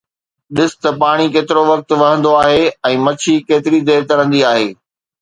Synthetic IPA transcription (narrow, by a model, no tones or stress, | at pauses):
ɗɪsɪ̥t̪ɐpaːɽ̃ikeːt̪ɪɾoʋɐk̚t̪ʋɐɦə̃nd̪oaːɦeɛ̃ːmɐt͡ɕʰikeːt̪ɪɾid̪eːɾt̪ɐɾə̃nd̪iaːɦeː